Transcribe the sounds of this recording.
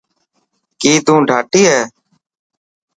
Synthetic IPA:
kiːt̪ũːɖʱaːʈiːɦɛː

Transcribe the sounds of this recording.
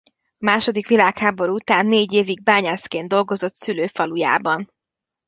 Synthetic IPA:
ɒmaːʃo̞d̪ikʋilaːkhaːbo̞ɾuut̪aːnːeːɟeːviɡ̚baːɲɛskeːnd̪o̞lɡo̞zo̞t̪syløːfɒluja̰ːbɒn

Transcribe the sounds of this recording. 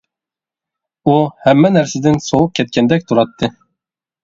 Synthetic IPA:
uhɛmːɛnæɾsɪd̪ɪnsowup̚kʲʰɛt̪̚kʲɛnd̪ɛk̚ʲt̪ʰuɾɑt̪ʰːɨ

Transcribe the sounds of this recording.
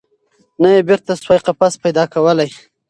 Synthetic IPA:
najebɪɾt̪aswajqapaspajd̪ɑkawəlaj

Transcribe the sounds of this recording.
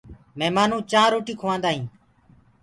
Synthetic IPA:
meːmaːnũːt͡ʃãːɾoːʈiːkʰoʋãːnd̪aːɦĩː

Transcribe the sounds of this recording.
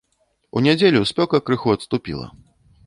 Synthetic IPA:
ṵnʲad͡zʲelʲusʲpʲɔkɐkɾɨxuɐt̪st̪upʲḭlˠɐ̰

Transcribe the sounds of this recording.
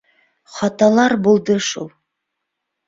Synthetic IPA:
χɑt̪ɑlˠɑɾbolˠd̪əʃulˠ

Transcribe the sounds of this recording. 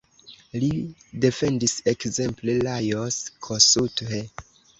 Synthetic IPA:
lide̞fe̞ndise̞kze̞mplelajoskʰosuthe

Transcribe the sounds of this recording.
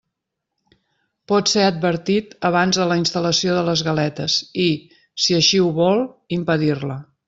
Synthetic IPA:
pɔt̪seəd̪̚bəɾt̪it̪əβ̞anzðələinst̪ələsioðələzɣəlɛt̪əsi | siəʃiuβɔlˠimpəðirlə

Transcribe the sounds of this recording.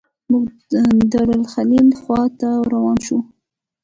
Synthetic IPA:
muɡ | d̪aɽalxalilxwɑt̪awɾawɑnʃu

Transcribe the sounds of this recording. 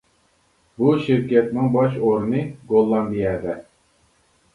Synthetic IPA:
buʃɪɾkʲɛt̪nɪŋbɑʃoɾnɨɡolˠːɑnb̪ijɛd̪ɛ

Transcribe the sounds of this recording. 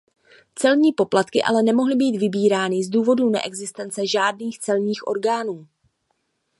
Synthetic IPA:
t͡sɛlɲiːpo̞plat̪kɪʔa̰lɛnɛmo̞ɦlɪbiːt̪vɪbiːɾaːnɪzduːvo̞dunɛ̰ʔɛɡzɪst̪ɛnt͡sɛʒaːd̚niːxt͡sɛlɲiːxʔo̞̰ɾɡaːnuː

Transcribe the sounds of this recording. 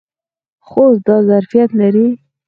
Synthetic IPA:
xosd̪ɑzaɾfijat̪laɾi

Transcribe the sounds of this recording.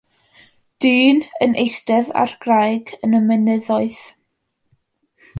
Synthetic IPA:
d̥ɨːnənʔejstɛva̰rɡ̥rajɡənəmɛnəðɔɨð̥

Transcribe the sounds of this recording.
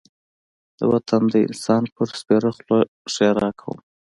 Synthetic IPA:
d̪̥ə̰wat̪ʰand̪əɪ̰nsɑnpəɾspeɾaχlo | ʃeɾɑkʰawṵm

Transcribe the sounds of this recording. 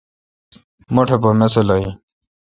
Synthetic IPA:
moʈʰep̬omesolʌi

